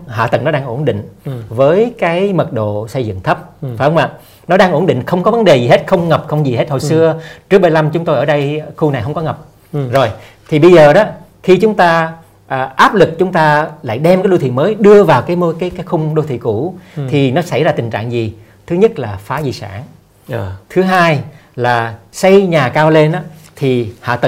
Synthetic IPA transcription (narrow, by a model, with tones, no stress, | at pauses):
ha̰ː˧˨t̪ɨ̰˨˧˩ŋnɔ˨˦ɗaː˧ŋʔo˧˩˨nɗḭ̈˧˨ŋ̟vəː˨˦jkaː˨˦jmə˨˩t̚ɗo̰˧˨sə˧jzɨ̰˧˨ŋt̪ʰə˦˥p̚fa˨˧wmaː˨˩ | nɔ˨˦ɗaː˧ŋʔo˧˩nɗḭ˧˨ŋ̟xə˧wŋ͡mkɔ˨˦və˨˦nɗe˨˩zi˨˩ɦe˦˥t̚xə˧wŋ͡mŋə˨˩p̚xə˧wŋ͡mzi˨˩ɦe˦˥t̚ho˨˩sɨ˧ət͡ɕɨ˦˥ək̚ɓa˧jla˧mt͡ɕʊ˨˦ŋ͡mt̪o˧jʔəː˧˩ɗə˧jxu˧na˨˩jɦə˧wŋ͡mkɔ˨˦ŋə˨˩p̚ | zo˨˩j | t̪ʰi˨˩ɓə˧jzəː˨˩ɗɔ˨˦ | xi˧t͡ɕʊ˨˦ŋ͡mt̪aː˧ | ʔʔaː˦˥p̚lɨ˨˩k̚t͡ɕʊ˨˦ŋ͡mt̪aː˧la̰ː˧˨jɗɛ˧mkaː˨˦ɗo˧t̪ʰḭ˧˨məː˨˦jɗɨ˧əvaː˨˩wkaː˨˦jmo˧kaː˨˦jkaː˨˦jxʊ˧ŋ͡mɗo˧t̪ʰḭ˧˨ku˧˩t̪ʰi˨˩nɔ˨˦sa˧˩jzaː˧t̪i˨˩ŋ̟t͡ɕa̰ː˧˨ŋzi˨˩ | t̪ʰɨ˨˦ɲə˦˥t̚laː˨˩faː˨˦zi˨˩sa̰ː˧˩ŋ | t̪ʰɨ˨˦ɦaː˧jlaː˨˩sa˧jɲaː˨˩kaː˧wle˧nʔaː˨˦t̪ʰi˨˩hɔ̰a̰ː˧˨t̪ə˧˨